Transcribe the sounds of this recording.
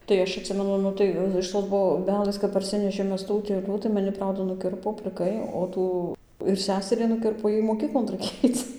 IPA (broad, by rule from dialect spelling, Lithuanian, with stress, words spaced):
tɐɪ ˈɐʃ ɐtʲˈsʲɪmʲɛnʊ ˈnʊ tɐɪ ɪʃ ˌtoːs boːˈbʲæːlʲeːs kɐp pɐrʲˈsʲɪnʲɛʃʲeːm ˈmʲɛs tuː ʊtʲeːˈlʲuː tɐ mɐˈnʲɪ ˈprɐʊdɐ nʊˈkʲɪrpoː pʲlʲɪˈkɐɪ oː ˈtuː ɪr ˈsʲæːsʲɛrʲiː nʊˈkʲɪrpoː ˈjɛɪ moːˈkʲiːklˠoːn rɐɪˈkʲeːj ˈɐɪt͡s